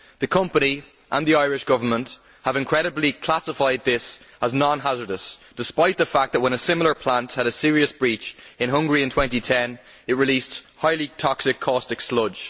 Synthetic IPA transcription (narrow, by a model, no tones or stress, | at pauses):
ðəkʰʌ̃mpəni | ʔə̃nðiaɪɹɪʃɡ̥ʊvə˞mə̃nt | həvɪ̃nkʰɹ̥ɛɾəblikʰl̥asɪfaɪd̪̚ðɪs | əznɑ̃nɦazə˞dəsd̥ɪspaɪt̪̚ðəfak̚ðət̚wə̃ñəsɪ̃ml̩ˠə˞pʰl̥ãnthəɾəsɪɹiəsb̥ɹit͡ʃɪ̃nɦʊ̃ŋɡəɹiə̃ntʰw̥ɛ̃ntitʰɛ̃n | ɪt̚ɹɪlisthaɪlitʰɔksɪkʰːɔstɪkslʊ̥ʒ̥